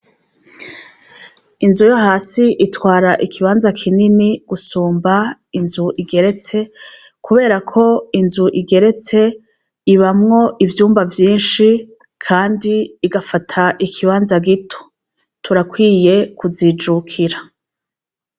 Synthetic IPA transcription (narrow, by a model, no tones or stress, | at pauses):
inzujo̞ɦaːsiʔitwaːɾaʔikʰiβaːnzakʰininiɡ̥usuːmba | inzuʔiɡe̞ɾe̞t͡se̞ | kuβe̞ːɾakʰo̞inzuʔiɡe̞ɾe̞t͡se̞ | iβamŋo̞ʔivjuːmbavjiːnʃi | kʰaːndiːɡafatʰaʔikʰiβaːnzaɡitʰo̥ | tʰuɾakwiːje̞kuziːd͡ʒukʰiɾa